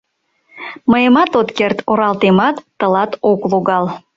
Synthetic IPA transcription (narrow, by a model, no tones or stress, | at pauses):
məjəmɑt̪ot̪kert̪ʰoɾɑlt̪emɑt̪ːəlɑt̪okloɣɑl